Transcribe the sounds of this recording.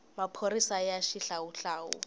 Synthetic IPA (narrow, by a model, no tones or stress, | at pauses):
mapʰoɾisajaʃiɬauɬaːʊ̰